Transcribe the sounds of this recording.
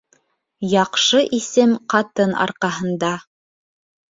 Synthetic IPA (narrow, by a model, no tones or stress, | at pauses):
jɑqʃɤʔisɘmqɑt̪ɤnɑ̰ɾqɑɦɤ̆nd̪ɑ